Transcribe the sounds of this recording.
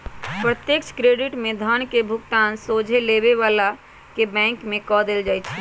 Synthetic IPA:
pɾət̪jek̚t͡ʃʰkɾeɖɪʈmẽd̪ʱəñkebʱʊkt̪aːnsoːd͡ʒʱelebeʋaːla | kebɛ̃ːŋkmẽkɔd̪eld͡ʒaːjt͡ʃʰɛ

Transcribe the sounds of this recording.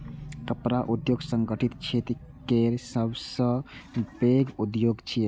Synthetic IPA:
kəpɾaʔud̪joɡsəŋɡəʈʰit̪t͡ʃʰet̪i | keɾsəbsə̃beɡud̪joɡt͡ʃʰi

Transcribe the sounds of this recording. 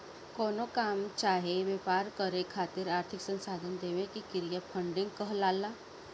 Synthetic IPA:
kɔːnokaːmt͡ʃaːɦeʋeːpaːɾkəɾekʰaːt̪ɪɾaːɾt̪ʰɪksə̃nsaːd̪ʱənd̪eːʋẽkikɪɾijapʰə̃ɳɖɪ̃ŋɡkəɦlaːlaː

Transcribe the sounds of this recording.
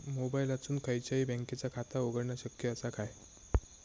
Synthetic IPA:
mobailat͡suːnkʰəjt͡ɕjaiːbɛ̃ŋket͡sakʰat̪aoɡəɽɳjaɕəkjəəsakaj

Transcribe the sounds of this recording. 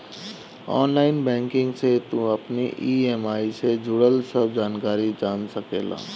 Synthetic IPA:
ɔ̰ːnlaːɪnbɛ̃ːŋkɪ̃ŋɡset̪ũəpniʔiemaːised͡ʒʊɽəlsəb̚d͡ʒaːnkaːɾid͡ʒaːnsəkeːla̰ː

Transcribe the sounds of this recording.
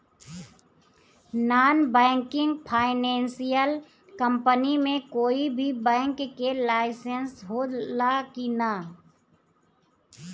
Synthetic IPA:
naːnbɛ̃ːŋkɪ̃ŋɡpʰaːɪnɛ̃ːnsijəl | kə̃mpənimẽkoːibʱibɛ̃ːŋkːelaːɪsənsɦolakina

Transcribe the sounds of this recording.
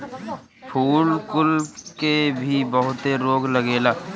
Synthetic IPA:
pʰuːlkʊlkebʱibəɦʊt̪eɾoːɡləɡeːlaː

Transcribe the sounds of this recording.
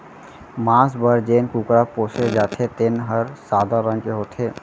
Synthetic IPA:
mãːsbəɾd͡ʒeːnkuːkɾapoːʃed͡ʒaːt̪ʰet̪ɪnɦəɾsaːd̪aɾə̃ŋkeɦoːt̪ʰeː

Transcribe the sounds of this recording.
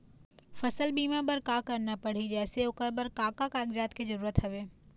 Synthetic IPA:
fɐsəlbiːmãbəɾkaːkɐɾnapɐɽ̤id͡ʒɛːseʊkəɾbəɾkaːkakaːɡd͡ʒaːt̪kizɐɾuːɾət̪ɦɐʋeː

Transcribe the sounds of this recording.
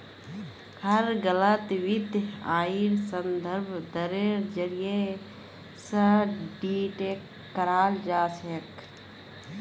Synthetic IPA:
hɐɾɡələt̪wɪd̪ʱjaːiɾsənd̪ʱəɾbʱd̪əɾeɾd͡ʒəɾije | səɖiːʈeːkː | əɾaːld͡ʒaːsek

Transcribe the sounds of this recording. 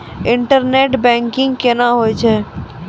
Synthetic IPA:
ɪ̃ɳʈəɾneːʈbɛ̃ːŋkɪ̃ŋɡkenaɦoːjt͡ʃʰeː

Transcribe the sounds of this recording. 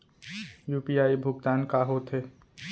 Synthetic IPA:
juːpiaːibʱʊɡt̪aːnkaːɦot̪ɦeː

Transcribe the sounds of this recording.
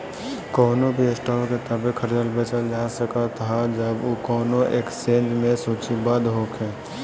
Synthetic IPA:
kɔːnobʱiɪsʈɔːket̪əbekʰəɾd͡ʒəlbət͡ʃəld͡ʒaːsəkat̪ʰad͡ʒəboːkɔːnoʔḛːksẽːnd͡ʒmẽsuːt͡ʃibad̪ɦoːkʰɛ̃ː

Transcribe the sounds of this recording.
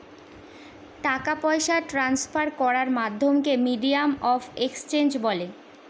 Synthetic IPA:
ʈakapɔeʃaʈɾanspaɾkɔɾaɾmad̪ʱːomkemiɖiamɔfekst͡ɕend͡ʑbɔle

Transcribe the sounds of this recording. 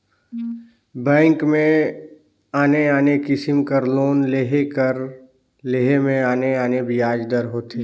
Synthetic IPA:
bɛ̃ːŋkmẽ | aːneaːnekɪsɪmkəɾloːnleɦekəɾ | leːɦemẽaːneaːnebɪjaːd͡ʒd̪əɾɦoːt̪eː

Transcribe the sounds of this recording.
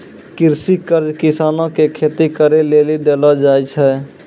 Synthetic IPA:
kɪɾsikəɾd͡ʒkɪsaːnõkekʰeːt̪ikəɾeleːlid̪eːlad͡ʒaːjt͡ʃʰɛː

